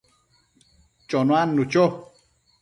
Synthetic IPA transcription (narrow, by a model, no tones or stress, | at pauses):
t͡ʃonwanːut͡ʃo